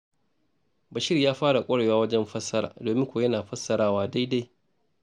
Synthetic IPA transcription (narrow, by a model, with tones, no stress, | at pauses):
bɐ˨ʃɪ˦rjaː˦ɸaː˦ɽa˨kʷʼɐ˦ɽe˨waː˦wɐ˦d͡ʒɛ˦mɸɐ˦sːɐ˦ɾa̰ː˨doː˨mɪ˦ŋkʷoː˨jɐ˦naː˨ɸɐ˦sːɐ˨ɾaː˦waː˦da˦jda˦j